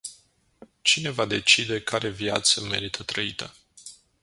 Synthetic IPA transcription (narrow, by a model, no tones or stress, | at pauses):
t͡ʃine̞vad̪e̞t͡ʃid̪e̞kʰaɾe̞vjat̪səme̞̰ɾit̪ʰət̪ɾəit̪ʰə